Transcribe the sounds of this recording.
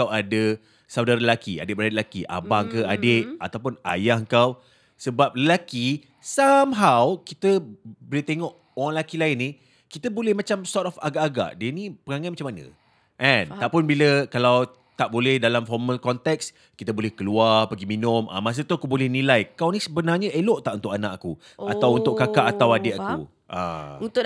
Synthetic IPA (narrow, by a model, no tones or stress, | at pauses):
awadə | sawdaɾəlakia̰dɪʔbəɾaaʔlakiʔa̰bahŋkəadeʔat̪awp̬ʊna̰jaɦəŋkaw | səbap̚ləlaki | samɦawkit̪əbolɛt̪eŋɔʔ | oɾaŋlakilaɪnːi | kit̪əbolɛhmat͡ʃamsɔtɔfa̰ɡaʔːɡa̰ʔdiənipəɾaŋanmat͡ʃamːanə̰ | ʔɛ̃nt̪aʔpʊnbiləkalaw | t̪aʔbolɛhdalamfɔrməlkɔnt̪ɛks | kit̪əbolɛhkəluarpəɡiminʊ̃mʔa̰mas̬ət̪uakubolɛhnilajkawnisəbənarɲəeloʔt̪aʔunt̪ʊʔkanaʔaku | at̪awunt̪ʊʔkːakaʔat̪awadɛʔakṵ | ʔa̰unt̪ʊ